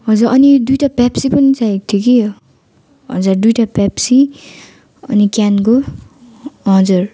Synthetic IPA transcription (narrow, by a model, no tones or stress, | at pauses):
ɦʌd͡zuɾʔʌnid̪ujʈapɛpsipʌnit͡sajt̪ʰjoki | ɦʌ̰d͡zard̪ujʈapɛpsi | ʌ̰nikanko | ɦʌd͡zur